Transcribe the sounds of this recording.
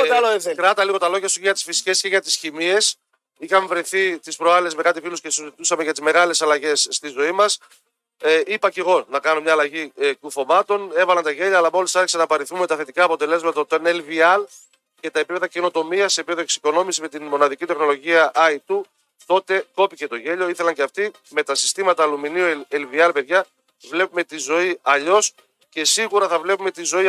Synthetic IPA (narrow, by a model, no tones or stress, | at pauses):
lokɾɐt̪ɐliɣo̞t̪ɐlo̞ʝɐsucʝɐt̪i̥sfisi̥ce̞sceʝɐt̪isçimie̞s | ixɐme̞vɾiθit̪ispɾoɐlezme̞kɐt̪ifiloscesuzit̪usɐme̞ʝɐt̪izme̞ɣɐle̞sɐlɐʝe̞sːt̪izo̞imɐs | ipɐce̞ɣo̞nɐkɐno̞mɲɐːlɐʝikuθo̞mɐt̪o̞ne̞vɐlɐnt̪ɐʝeʎɐːlɐmo̞lisɐɾçi̥sɐnɐpɐɾiθume̞t̪ɐθe̞t̪ikɐːpo̞t̪e̞le̞zmɐt̪ɐt̪oenelviɐl | ce̞t̪ɐepipeðɐce̞no̞t̪o̞miɐsːepie̞ðoe̞ksi̥ko̞no̞misime̞t̪inmo̞nɐðicit̪e̞xno̞lo̞ʝiɐʔɐit̪u | t̪o̞t̪e̞ko̞pice̞t̪o̞ʝe̞ʎo̞iθe̞lɐɲceɐft̪i | me̞t̪ɐsi̥st̪imɐt̪ɐːluminioelviɐlpe̞ðʝɐ | vle̞pume̞t̪izo̞iɐʎo̞s | ce̞siɣuɾɐθɐvle̞pume̞t̪izo̞i